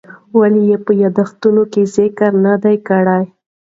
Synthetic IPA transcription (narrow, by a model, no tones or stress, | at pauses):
walijepəjad̪axt̪unokezɪkəɾnad̪ajkaɽaj